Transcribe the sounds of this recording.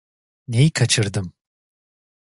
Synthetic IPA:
nejikʰat͡ʃʰɯɾd̪ɯm

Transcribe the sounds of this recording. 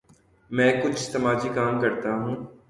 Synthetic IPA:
mɛ̃ːkʊt͡ʃʰt̪ɐmaːd͡ʒikaːmkɐɾt̪aɦũː

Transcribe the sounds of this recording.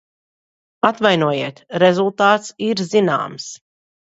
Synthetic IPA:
at̪vajnuɔjiɛt̪ɾezulˠt̪aːt̪siɾzina̰ːms

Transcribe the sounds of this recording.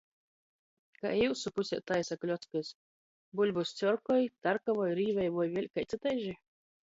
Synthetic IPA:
ka̰juwsupusʲɛ̰t̪ajsaklʲɔt̪skɨs | bulʲbust̪sʲɔɾkɔjt̪aɾkavɔjɾiːvɛjvuɔjvʲeɛlʲkajt̪sɨt̪ajʒi

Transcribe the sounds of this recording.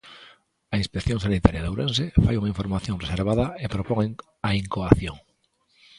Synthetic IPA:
ainspekθjoŋsanit̪aɾjalawɾẽnsefajuŋaiɱfo̞ɾmaθjonreseɾβaðaepɾopoŋeŋ | aiŋkoaθjoŋ

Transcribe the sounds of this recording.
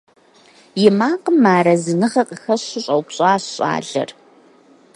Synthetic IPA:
jɪmaːqəmːaːɾɐzɨnɨʁɐqʼəxɐɕɪɕʼɐwpɕʼaːɕɕʼa̰ːɮɐ̰r

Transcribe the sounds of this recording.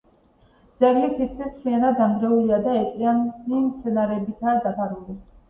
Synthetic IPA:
d̪z̥ɛɡlit̪ʰit̪ʰkʰwist̪ʰlianad̪and̪ɾɛuliad̪aɛqʼiand̪imt̪sʰɛnaɾɛbit̪ʰad̪apʰaɾuli

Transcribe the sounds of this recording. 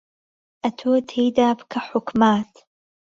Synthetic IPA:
ʔɐt̪ʰoːt̪ʰejd̪aːbkʰaħʊkmaːt̪

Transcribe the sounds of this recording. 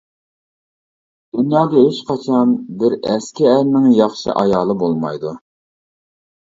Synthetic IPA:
d̪̥ynjɑːd̪ɑɦeʃqʰɑt͡ʃʰɑnbɪɾɛskʲɪæɾnɪŋjɑχʃɨ̰ʔɑjɑːlˠɨbolˠmɑ̰jd̪u

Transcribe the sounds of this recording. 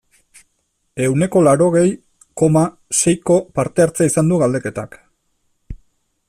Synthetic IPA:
e̞wne̞ko̞laɾo̞ɣe̞j | ko̞ma | se̞jko̞paɾt̪e̞aɾt͡saisand̪uɣald̪e̞ke̞t̪ak

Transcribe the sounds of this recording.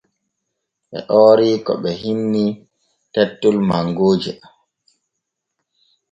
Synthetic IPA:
ɓɛ̰ʔɔːɾikɔ̰ɓɛɦinːi | tɛtːulmaŋɡoːd͡ʒi

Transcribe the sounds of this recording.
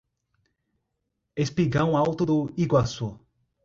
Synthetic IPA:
espiɡãw̃awt̪ud̪uiɡwaso

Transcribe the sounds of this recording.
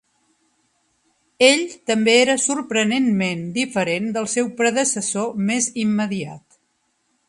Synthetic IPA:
eʎt̪əmbeeɾəsuɾpɾənenmend̪ifəɾend̪əlˠsɛwpɾəðəsəsomezimːəðia̰t̪

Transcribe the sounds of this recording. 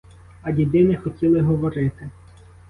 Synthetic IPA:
ɐdʲid̪ɪnɪxɔtʲilˠɪɦɔʋɔɾɪt̪ɪ

